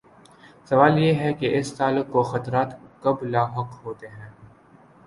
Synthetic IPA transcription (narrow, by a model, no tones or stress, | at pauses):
sɐʋaːljeɦɛkeʔɪst̪aːlʊkːoxɐt̪ɾaːt̪kɐblaːɦɐqɦoːt̪eɦɛ̃ː